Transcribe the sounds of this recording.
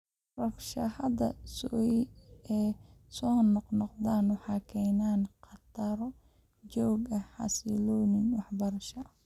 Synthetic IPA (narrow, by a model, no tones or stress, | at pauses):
rɐfʃɐhɐd̪ɐ̰sɔjɛːsɔːnːɔqnɔqd̪aːnwɑħɑːkʰɛjnaːnqɑt̪ʰɐɾɔ | d͡ʒɔwɡɐħɑ̰silɔːnɪŋwɑħbɐɾɐʃɐ